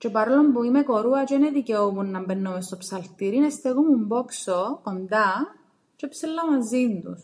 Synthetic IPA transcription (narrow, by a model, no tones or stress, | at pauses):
t͡ʃepɐɾolombuimeko̞ɾuɐt͡ʃoineðiceopunːɐmbenːomest̪o̞psɐlt̪iɾinest̪eɣomumboksokond̪ɐ | t͡ʃepselːɐmɐzind̪ṵs